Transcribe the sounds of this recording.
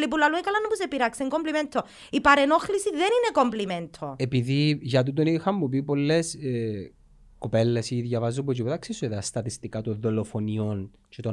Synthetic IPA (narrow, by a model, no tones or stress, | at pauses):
lip̬ulaluekalanːupusepiɾakseŋkompliment̪ʰo | ipaɾenoxlisiðeninekompliment̪ʰoepiðiʝɐt̪̬ut̪̬onixɐmːup̬ipolːes | kopelːesiðjɐvɐzːup̬ot͡ʃiput̪ɐksisuðɐst̪ɐt̪ist̪ikat̪uðolofonion | t͡ʃet̪o